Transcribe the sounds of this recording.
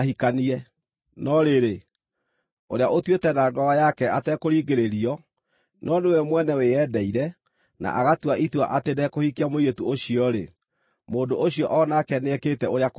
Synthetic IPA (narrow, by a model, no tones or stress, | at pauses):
hikaniɛ | nɔɾeɾe | oɾeaʔotwetɛnaɡɔwajakɛatɛkoɾiːɡeɾeɾiɔ | nɔnewɛmwɛnɛweɛdɛiɾɛ | na̰ʔaɣatwaʔitwa̰ʔatenɛkohikiamoietuoɕiɔɾe | moːdoʔoɕiɔʔɔnakɛneɛkeːtɛoɾeak